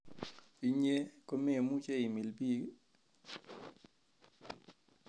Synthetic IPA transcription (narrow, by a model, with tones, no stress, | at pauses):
i˨ɲe˦ko˦me˦e˨mu˦t͡ʃe˦i˨mi˨lbi˦